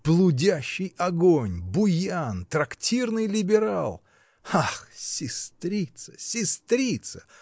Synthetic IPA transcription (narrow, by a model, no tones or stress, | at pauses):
b̥lˠʊdʲæɕːɪjɐɡonʲbʊjant̪ɾɐktʲirnɨjlʲɪbʲɪɾa̰lˠ | axsʲɪst̪ɾʲit̪sə̥sʲɪst̪ɾʲit̪sə̥